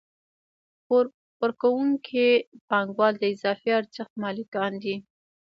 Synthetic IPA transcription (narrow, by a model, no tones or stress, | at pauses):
əɾkawuŋkʰipɑŋɡwɑld̪əɪzɑfiaɾt͡səxt̪mɑlikɑnd̪i